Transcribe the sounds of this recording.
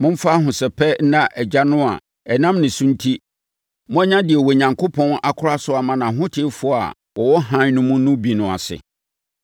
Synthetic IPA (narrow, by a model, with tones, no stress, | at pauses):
mʊ̃˦m̩˦fa˦ɦʊ̃˨sɛ˨pʰɛ˦n̩˦nã˦ʔɛ˨d͡ʑa˦nʊ̃˦a̰˨ | ɛ˨nã˦mnɪ̃˨sũ˦n̩˦tʰi˦ | mʊ̃˦ɛ˦ɲã˦dɪ˨ɛ˨wɔ˨ɲã˨ŋkʰo˦pʰɔ̃˦na˨kʰʊ˦ɾa˦sʊ˦a˨mã˨nã˨ɦʊ̃˦tʰɪ˦fʊ˦˨a̰˨ | wʔɔ˨wɔ˦ɦã˦nʊ̃˦mʊ̃˦nʊ̃˦bi˨nʊ̃˨a̰˨sɪ̰˨